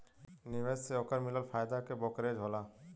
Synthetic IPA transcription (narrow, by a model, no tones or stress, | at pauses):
niʋesseokəɾmɪləlpʰaːjd̪akebɔkɾed͡ʒɦolaː